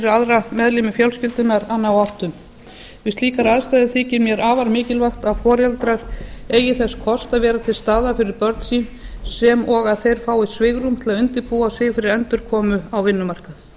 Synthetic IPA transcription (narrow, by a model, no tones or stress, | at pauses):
ɾɪɾaðɾamɛðlɪmɪfjœwlscɪlt̪ʏnaɾanːawart̪ʏm | vɪstliːkaɾaðst̪ajðɪθiːcɪnmjɛɾaːvaɾmɪːcɪlvaxt̪aðfɔːɾjalt̪ɾaɾ̥eːjɪθɛskʰɔst̪aðvɛːɾat̪ʰɪlst̪aːðafɪɾɪɾpœɾt̪siːnsɛmɔɣaðθejɾ̥faːwɪsvɪɣɾumt̪ʰɪlaðʏnt̪ɪɾpuasɪːfɪɾɪɾɛnt̪ʏɾ̥kʰɔːmʏawvɪnːʏmar̥kaθ